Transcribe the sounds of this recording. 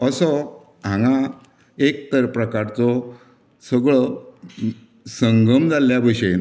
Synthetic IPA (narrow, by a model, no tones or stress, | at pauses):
əsə | ɦãŋa | ek̚t̪əɾpɾəkaɾt͡sɔ | səɡɭə | səŋɡəmd͡zaljabʱəɕe